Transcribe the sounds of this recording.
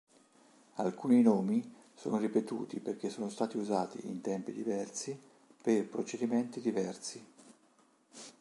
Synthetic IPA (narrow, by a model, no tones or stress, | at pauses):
alkuːninoːmiso̰ːnoripet̪ṵːt̪iperk̟esːoːnost̪aːt̪iuzaːt̪ḭint̪ɛmpid̪ivɛrsi | perpɾot͡ʃed̪imɛnt̪id̪ivɛrsi